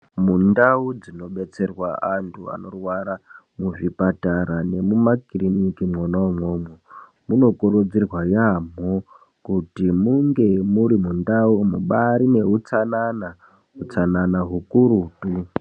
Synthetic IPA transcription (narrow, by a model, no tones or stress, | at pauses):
mundaud͡zino̞ɓe̞t͡se̞rwaantʰua̰no̞rwaɾamuʐipataɾane̞mumakirinikimonomwomo | muno̞koɾud͡zirwajamo | kutimuŋɡe̞muɾimundaumuɓaɾine̞ɦut͡sanana | ɦut͡sananaɦukuɾuːtu